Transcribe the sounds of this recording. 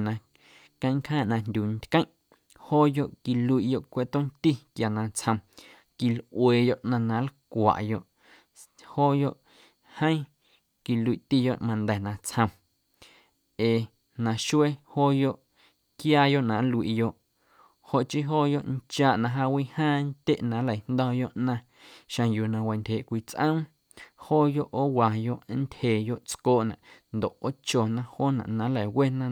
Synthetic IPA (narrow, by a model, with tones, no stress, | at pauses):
nã˧ | kə̃˧˦j̃ŋkhãː˦ʔnã˧ndʲu˨nt̪ʲkə̃˦j̃ʔ | hoː˦jo˧ʔki˨lu˧i˨ʔjo˧ʔkʷe˦˨t̪õ˦nt̪i˦kja˨nã˧t͡shə̃˧m | ki˨lʔweː˨jo˧˨ʔnã˧nã˧˦lkʷa̰˨ʔjo˧ʔ | hoː˦jo˦ʔ | hə̃˦ĩ˦ | ki˨lu˧i˨ʔt̪i˦jo˧˨ʔmã˧nd̪ɛ˨nã˧t͡shə̃˧m | eː˨ | nã˨ʃu˦e˦hoː˦jo˦ʔ | kjaː˦jo˦˨ʔnã˨˦lu˧ḭ˨jo˧ʔ | ho˧˨ʔt͡ʃi˦ɦoː˦jo˦ʔnt͡ʃaː˧˨ʔnã˧ɦa˧wi˦hãː˦nt̪ʲe˦ʔnã˨˦lə˨nd̪ɔ̃˧jo˦ʔnã˧ | ʃã˧juː˨nã˧wa˨nt̪ʲheː˨ʔkʷi˧t͡sʔə̃˦m | hoː˦jo˦ʔoː˦wa˨jo˦ʔnt̪ʲhe˨jo˦ʔt͡skoː˦ʔnã̰˨nd̪o˨ʔo˦t͡ʃo˨nã˧hoː˦nã̰˨ʔnã˨˦la˨we˦nã˧